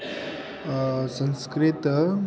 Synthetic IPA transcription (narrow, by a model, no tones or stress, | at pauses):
sə̃nskɾɪt̪